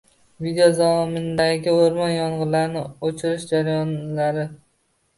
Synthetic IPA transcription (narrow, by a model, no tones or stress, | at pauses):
vid̪ejod̪amɪnd̪aɡʲɪoɾmɒnjɒɴʁɨɾlaɾnɪot͡ʃʰɪɾɪʃd͡ʒaɾajɒnlaɾɪ